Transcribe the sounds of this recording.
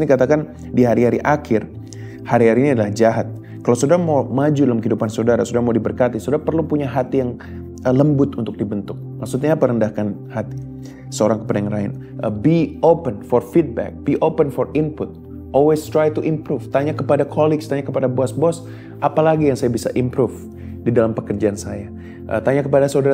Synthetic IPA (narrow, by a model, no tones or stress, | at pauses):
nikat̪akan | diɦaɾiɦaɾiʔakʰɪr | haɾiɦaɾiːniadalahd͡ʒaɦat̪̚ | kalawsodaɾamawmad͡ʒudalamkəidupansodaɾa̰sudamadibərkat̪isodaɾapərlupuɲaɦat̪ijaŋ | ələmbʊt̪unt̪ʊk̚dibənt̪ʊk̚maksut̪ɲaːpaɾəndahkanhat̪i̥ | səoɾaŋkə̥padaŋraɪ̰n | ʔəbiopənfɔrfit̪̚bɛ̰k̚b̥iʔopənfɔrɪnpʊt̪̚ | ʔɔlwest̪ɾajt̪uʔimpɾuft̪aɲakəpadakʰɔlɪkst̪aɲakəpadaboasbɔs | ʔapalaɡijaŋsajabisa̰ʔimpɾuf | didalampəkərd͡ʒaansaja | ʔə̰t̪aɲakəpadasaudaɾa